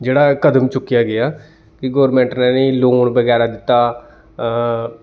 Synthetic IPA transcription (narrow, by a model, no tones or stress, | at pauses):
d͡ʒeːɽaːkəd̪əmt͡ʃʊkːɪjaːɡɪaː | kɪɡoːɾmẽːɳʈnɛːneːloːɳbəɡɛːɾaːd̪ɪt̪ːaː